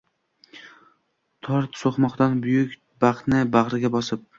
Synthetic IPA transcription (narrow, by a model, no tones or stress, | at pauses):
t̪ʰɒɾt̪soχmɒqt̪anbʊjʊkʲ | baq̪nɪbaʁɾɪɡʲabɒsɪp̚